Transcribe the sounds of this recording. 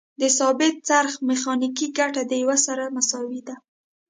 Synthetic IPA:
d̪əsɑbɪt̪̚t͡saɾxmɪxɑnikiɡaʈad̪əjawasaɾamasɑwid̪a

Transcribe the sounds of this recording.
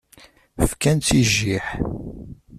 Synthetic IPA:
fkænt͡s̪ːiʒːiħ

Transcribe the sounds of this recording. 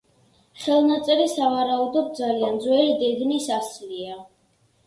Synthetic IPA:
χɛlˠnat̪sʼɛɾisavaɾaud̪ɔb̚d̪zaliand̪zwɛɾid̪ɛd̪nisaslia

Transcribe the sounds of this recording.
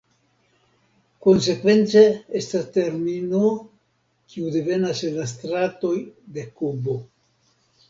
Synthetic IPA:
ko̞ns̬e̞kve̞nt͡seestaste̞ɾmino | kiude̞ve̞naslas̬t̪ɾato̞jde̞kubo̞

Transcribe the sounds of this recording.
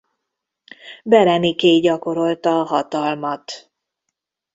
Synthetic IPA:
bɛɾɛnikeːɟɒko̞ɾo̞lt̪ɒːɦɒt̪ɒlmɒt̪

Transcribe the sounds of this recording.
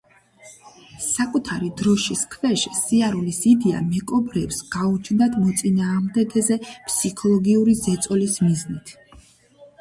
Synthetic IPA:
sakʼut̪ʰaɾid̪ɾɔʃiskʰvɛʃisiaɾulisid̪ɛa̰mɛkʼɔbɾɛpsɡ̥aut͡ʃʰnd̪ad̪mɔt̪sʼinaːʁmd̪ɛɡɛzɛpʰʼsikʰɔlˠɔɡiuɾizɛt̪sʼɔlismiznit̪ʰ

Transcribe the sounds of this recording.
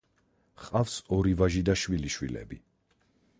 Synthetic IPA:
χqʼafsɔɾivaʒid̪aʃwiliʃwḭlɛ̰bi

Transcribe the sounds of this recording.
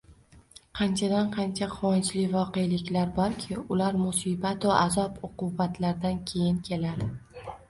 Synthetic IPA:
qʰɑnt͡ʃʰad̪anqʰɑnt͡ʃʰaqʰʊwɒnt͡ʃlɪvɒqejlɪkʲlaɾbɒɾkʲʰɪʊlaɾmʊsibat̪aʔazɒpoqʊbat̪ʰlaɾd̪ankʲʰe̞jɪnkʲʰe̞lad̪ɪ

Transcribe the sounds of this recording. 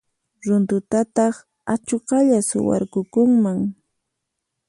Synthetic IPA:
ɾʊnt̪ʊt̪at̪ɑχ | at͡ʃoqɑʎasʊ̰wa̰ɾkʊkʊŋmaŋ

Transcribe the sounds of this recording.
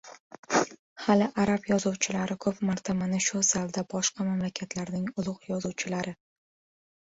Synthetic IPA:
halɪʔaɾapjɒzɒwt͡ʃʰɪlaɾɪkʰɵpmaɾt̪ʰamanɪʃʊzalˠd̪abɒʃqɑmamlakʲʰat̪ʰlaɾnɪŋʊlˠʊqjɒzuwt͡ʃʰɪlaɾɪ

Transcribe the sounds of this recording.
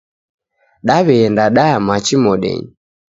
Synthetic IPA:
ɗaβɛɛndaɗamat͡ʃimɔɗɛ̰ɲi

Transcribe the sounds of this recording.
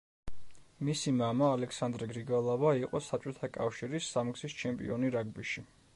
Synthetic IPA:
misimamaːlɛkʰsand̪ɾɛɡɾiɡalˠavaiqʼɔsat͡ʃʼɔt̪ʰakʼafʃiɾisːamɡzist͡ʃʰɛmpʼḭɔniɾaɡ̚biʃi

